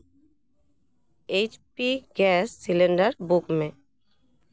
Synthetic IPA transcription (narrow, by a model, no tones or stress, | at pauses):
ejt͡ɕpiɡɛsːileɳɖaɾbukme